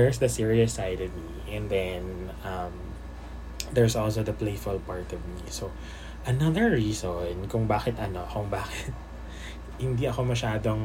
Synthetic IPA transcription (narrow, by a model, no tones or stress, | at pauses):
ɛɹsd̪ɐsiɹiəsajdɔvmi | ʔɛ̃nd̪ɛnʔɐm | d̪ɛɹsʔɔls̬oðɐpleɪfʊlpaɹt̪ɔvmiso | ʔɐnɐðəɹɹiːsonkʊŋbaːxɛt̪ɐnokʊŋbaːkɛt̪̚ | hɪnd̪iɐko̞mɐʃaːd̪oŋ